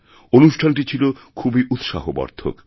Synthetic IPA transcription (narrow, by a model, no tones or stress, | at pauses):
onuʃʈʰanʈit͡ɕʰilo | kʰubiʔut̪ʃa̰ɦobɔ̰ɾd̪ʱʰo̰k